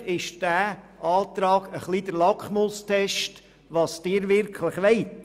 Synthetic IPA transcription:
ɪʃd̥æːʔɑːt̪ɾɑːɡ̥əχliːd̪̥əɾlɑkχmostʰɛʃt | ʋɑːsd̥ɪːɾʋɪrkʰlɪχʋɛɪt

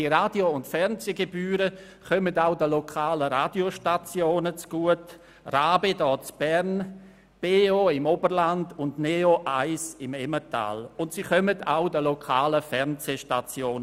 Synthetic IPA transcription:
iɾaːd̥joʊntfɛʁnzeɡebyːɾə | χœmədaʊdəlokʰaːləɾaːdioʃtat͡sjoːnət͡sɡ̥uət | raːbedɔːt͡sb̥ɛʁn | b̥eːoɪmobəɾlandʊndneoʔaɪsɪmɛməta̰ːlʊntsiχœmədʰaʊdəlokʰaːləfɛʁnzeʃtat͡sjoːn

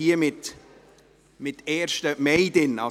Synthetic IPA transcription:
iəmɪt̪ | mɪt̪ɛːɾʃtəmɛɪdɪnɑ

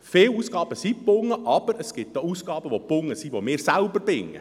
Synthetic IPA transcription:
feːluːsɡ̥ɑːb̥əsipːʊŋːəʔɑb̥əɾəsɡ̥ɪt̚dɔuːsɡ̥ɑːb̥əʋopʊŋːəsiʋomɪːɾsælbəɾbɪŋːə̰

